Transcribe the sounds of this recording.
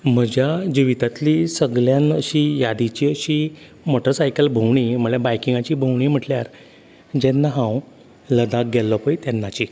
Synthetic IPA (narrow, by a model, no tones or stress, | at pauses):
m̤əd͡ʑjad͡ʑiʋit̪at̪liːsəɡɭjãnəɕijad̪it͡ɕiːəɕiː | moʈəɾsajkəlbʱəwɳ̃im̤əɭlɛbajkiŋɡat͡ɕiːbʱəwɽ̃iːm̤əʈljaɾ | d͡ʑɛnːaɦãw | ləd̪ak̚ɡɛlːɔpəjt̪ɛnːat͡ɕi